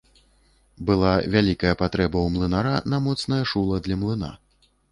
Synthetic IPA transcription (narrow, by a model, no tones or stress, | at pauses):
bɨlˠavʲalʲikɐjɐpat̪ɾɛbɐwmlˠɨnaɾanɐmɔt̪snɐjɐʂulˠɐd̪lʲɐmlˠɨna̰